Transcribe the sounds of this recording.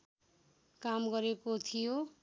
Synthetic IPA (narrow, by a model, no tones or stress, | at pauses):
kamɡʌɾekot̪ʰijo